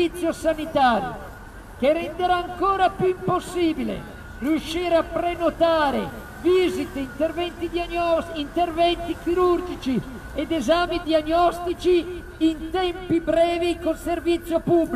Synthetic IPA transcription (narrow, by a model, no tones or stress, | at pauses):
it̪sːjosanit̪aːɾjo̰ | k̟eɾɛnd̪eɾaːŋkoːɾapjuimposːiːbilḛ | riuʃːiːɾeapɾenot̪aːɾe | viːzit̪eint̪ervɛnt̪id̪ɔint̪ervɛnt̪ik̟iɾurd͡ʒit͡ʃi | ed̪ezaːmid̪ianːɔst̪it͡ʃi | int̪ɛmpibɾɛːvikonservit̪sːjopub